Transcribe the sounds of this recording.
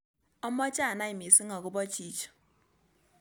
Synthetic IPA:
ɔ˦mɔ˦t͡ʃa˦˨na˦i˨mi˨si˦ŋɔ˨kʊ˦bɔ˦t͡ʃi˦t͡ʃ

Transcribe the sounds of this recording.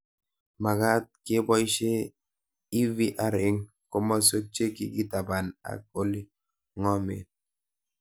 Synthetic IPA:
ma˨ɡa˦t̚kɪ˦bɔ˦i˦ʃe˦ | i˦vi˦ʔa˨ɾɪ˨˦ŋ | ko˦ma˦so˦t͡ʃe˦kḭ˦ki˦ta˨ba˨na̰˨k̚o˦li˦ | ŋɔ˦mḛ˨

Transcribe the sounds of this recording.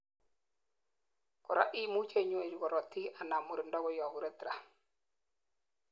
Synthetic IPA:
kɔ˨ɾa̰˦ʔi˦mu˦t͡ʃe˦˨ɲwe˨d͡ʒɡɔ˨ɾɔ˨ti˦a˨na˨mu˨ɾi˨ndɔ˦ɣɔ˦jɔ˨βu˨ɾe˦tɾa˨

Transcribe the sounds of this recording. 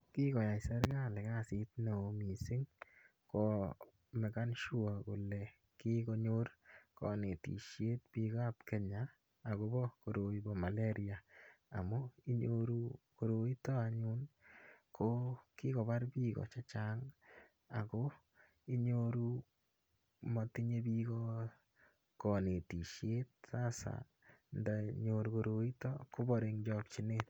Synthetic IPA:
ki˦kɔ˨ja˨jsa˦ɾka˦˨lɛ˨ka˦si˦tna˨o˨mi˨sɪ˦ŋ | kɔ˨ | mɛ˨ka˦nʃu˦a˨ko˨lɛ˨ | ki˦kɔ˦ɲo˦ɾkɔ̰˨nɪ˨tḭ˨ʃje˦t̚pi˦ka˦pkɛ˨ɲaː˨ | ɡɔ˦bɔ˦ko˨ɾo˨i˨bɔ˨ma˨le˦ɾi˨a˨a˨mɔ˦i˦ɲoɾu˦ko˨ɾo˨i˦tɔ˦a˨ɲu˦nkʰo˦ki˦ko˨βa˦ɾpiː˦ɣɔ̰˨t͡ʃa˦t͡ʃaːŋ | a˨ko | i˦ɲoɾu | mɔ˨ti˦ɲe˦bi˦kɔ | kɔ˨ne˨ti˨ʃje˦t̚sa˦sa̰˨ | nda˨ɲoɾukoɾo˨i˦tɔko˦bɔɾe˨ŋd͡ʒɔ˦k̚t͡ʃi˦net̪

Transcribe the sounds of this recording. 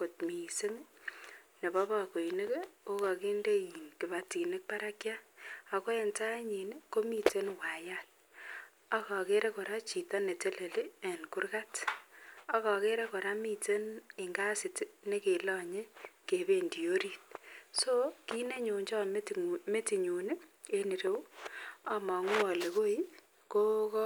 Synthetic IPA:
ko˨t̚mi˨se˦ŋ | ne˨bɔ˦bɔ˨ko˨i˨ne˦ko˦kɔ˨ke˦nde˦ji˨nkɪ˨ba˨ti˨ne˦k̚pa˦ɾa˦kja˦a˨ko˦ɛ˨nta˦ɲi˨n˦ko˦mi˦te˦nwa˨ja˦t̚ | ɔ˦kɔ˨ke˦ɾe˦kɔ˨ɾa˦t͡ʃi˨tɔ˦ne˨te˦le˨le˦ɛ˨nku˦rka˦t | ɔ˦kɔ˨ke˦ɾe˦kɔ˨ɾa˦mi˦te˦nɪ˨ŋɡa˦sɪ˨tne˦ke˨lɔ˨ɲe˦ke˨be˦˨ndi˨o˦ɾi˨t̚so˦ki˦ne˦ɲo˨ɲd͡ʒɔ˦me˦ti˨ɲu˨ne˦ | e˦ni˨ɾe˦wa˨mɔ˨ŋu˦ɔ˨le˨ko˦i˦ | ko˦kɔ˦

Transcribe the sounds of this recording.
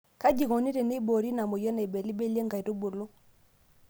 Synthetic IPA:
ka˦d͡ʒi˨kɔ˨ni˦ɾe˨ne˦bo˨ɾi˦na˨mo˨jɛ˦na˨i˨bɛ˨li˦be˦li˦e˦ŋɡa˨i˨ɾo˦bo˨lu˦

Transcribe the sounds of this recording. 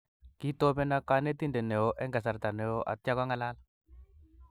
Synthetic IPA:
ki˦to˦bɛ˦na˦ka˦ne˦t̪i˦ndɛ˨nɛ˨o˨ʔɛ˦ŋɡa˨s̬a˨ɾt̪a˨nɛ˨o˦ʔa̰˨tja˦ka˦ŋa˦˨la˦l

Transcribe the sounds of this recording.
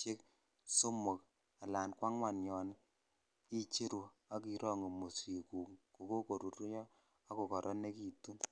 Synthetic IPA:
tje˦k | so˦mo˨k | a˨la˨nkwa˦ŋwa˨njɔ˨n˦ | i˦t͡ʃe˦ɾu˨ | a˦k̬i˨ɾɔ˦ŋo˨mo˨si˨ku˨ŋko˨ko˦ko˨ɾu˨ɾu˦jɔ˦ | a˦ko˨kɔ˨ɾʔɔ˦ne˦ki˨tu˦n

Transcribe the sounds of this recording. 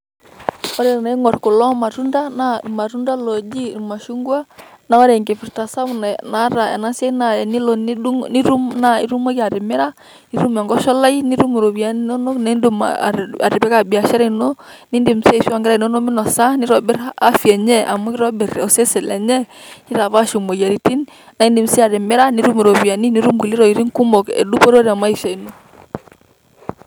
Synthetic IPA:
ɔ˦ɾɛ˨na˨i˦ŋɔ˨rko˨lɔ˦ma˨tu˦nda˦na˦˨ma˨tu˦nda˦lɔ˨d͡ʒi˦ma˨ʃu˦ŋɡwa˦ | na˦ɔ˦ɾɛ˨ŋɡe˨fɪ˨ɾta˨sa˦m˨n˨na˨˦ɾa˨ɛ̰˨na˦se˦na˨ni˦lɔ˨n˦ni˦ɾu˦mna˦ḭ˦ɾu˦mɔ˦ka˨ɾɪ˨mɪ˦ɾa˦ | ni˦ɾu˦ma˨ŋɡɔ˦ʃɔ˦la˦i˦ni˦ɾu˦mu˨ɾo˨bi˨a˦n˦no˦no˦kne˦ndu˨m̰˨a̰˨ɾɪ˨pɛ˦ka˨bi˨a˨ʃa˦ɾa˦˨no˦ | ni˦ndi˨mssi˦a˨ŋɡɛ˦ɾa˨i˨nɔ˦nɔ˦mɪ˦nɔ˨sa˦ni˦ɾɔ˨bɪ˦ɾa˦fjɛ˨ɲɛ˦ʔa̰˨mu˦ɪ˦ɾɔ˦bɛ˨ɾɔ˨sɛ˦sɛ˨lɛ˨ɲɛ˦ | ni˦ɾa˨βa˦ʃo˨mo˨ja˨ɾi˨ti˦n | na˨˦i˦ndi˨msi˦a˨ɾɛ˨mɪ˦ɾa˦ni˦ɾu˦mu˨ɾo˨βi˨a˨ni˦ni˦ɾu˦mɡi˨li˦ɾɔ˨i˨ɾi˦ŋku˦mɔ˨kɛ̰˨du˦pɔ˦ɾo˦ɾi˨a˨ma˦i˨sa˨i˨no˨

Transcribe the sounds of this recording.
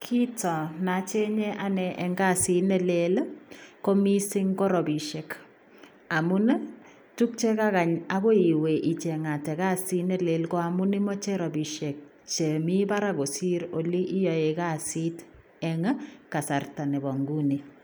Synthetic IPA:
kʰi˦tɔ˨na˨t͡ʃe˦ɲɛ˦ʔa˦nɛ˨ʔɛ˨ŋɡa˦˨si˦nɛ˦le˦lko˦mi˦si˦ŋkɔ˦ɾɔ˨bi˨ʃe˨k | a˨mu˦n˦ | tu˦k̚t͡ʃe˦ka˦ka˨ɲa˦ɡo˦i˨we˨ʔi˨t͡ʃɛ˨ŋa˨tɛ˨ka˦si˦nɛ˦le˦lko˦a˨mu˦ni˦mɔ˦t͡ʃɛ˦ɾɔ˨bi˨ʃe˨k̚ | t͡ʃe˨mi˦ba˦ɾa˦ko˨si˦ɾo˨li˦ʔi˦jɔ˨e˨ka˦si˦t | ɛ˦ŋ˦ka˨sa˨rta˨ne˨bɔ˨ŋɡu˦ni˨

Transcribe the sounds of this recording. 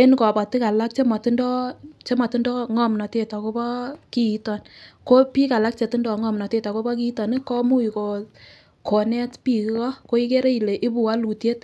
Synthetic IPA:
e˦nkɔ˨bɔ˨ti˦ka˨la˦k̚t͡ʃe˦mɔ˨ti˦ndɔ˦t͡ʃe˦mɔ˨ti˦ndɔ˦ŋɔ˦mnɔ˨te˦˨tɔ˨ko˦bɔ˦ki˦i˨tɔ˨nko˦pi˦ka˨la˦k̚t͡ʃe˨ti˦ndɔ˨ŋɔ˦mnɔ˨te˦ta˨ko˦bɔ˦k̬i˦i˦tɔ˨nɪ˦kɔ˦mu˦i˨ko˨ | ko˨nɛ˦tpi˨ki˦kɔ˦ko˦i˦ke˦ɾe˦i˨le˨ʔi˦bu˨wa˦lu˨tje˦t

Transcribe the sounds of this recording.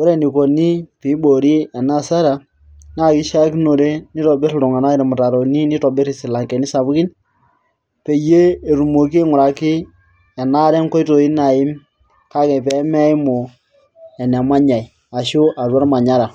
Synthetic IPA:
o˦ɾe˦˨ni˨ko˨ni˦pi˨˦bo˨ɾi˦ɛ˨na˦˨sa˦ɾa˨ | na˦˨ki˦ʃa˦ki˦no˨ɾe˦ni˦tɔ˨bɪ˦ɾɾʊ˨ŋa˨na˦ɪ˨ɾmʊ˨ta˨ɾo˨ni˦ni˦tɔ˨bɪ˦ɾi˨sɪ˨la˨ŋkɛ˨ni˦sa˨bkɪ˦n | pe˨je˦e˨ɾu˨mo˨ki˦ŋʊ˨ɾa˨kɪ˦ | ɛ˨na˦ɾɛ˦ŋkɔ˦i˦to˨i˦na˨ɪ˦m | ka˦kɛ˨pɛ˨˦mɛ˦jmo˨ | ɛ˨nɛ˨ma˦ɲa˨i˨ | a˨ʃu˦ʔa˨rwa˦ɾma˨ɲa˦ɾa˨

